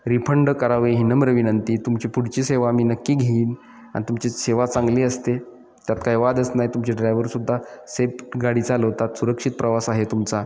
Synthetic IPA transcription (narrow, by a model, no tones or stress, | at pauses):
ɾipʰəɳɖkəɾaʋeɦinəmɾəʋinənt̪iːt̪umt͡ɕipuɽt͡ɕiːseʋamiːnəkːiːɡʱeiːn | a̰nit̪umt͡ɕeseʋat͡sãŋɡleəst̪e | t̪jat̪kajʋad̪əsnajt̪umt͡ɕeɖɾajʋəɾsud̪ʱːasepɡaɽiːt͡saləʋt̪at̪suɾəkʂit̪̚pɾəʋasaɦet̪umt͡sa